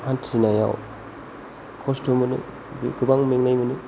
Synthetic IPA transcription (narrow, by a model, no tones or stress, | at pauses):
hantʰɾinaja̰w | kʰɔstʰomɯnɯ̰ | biɡɯbaŋmeŋnajmɯnɯ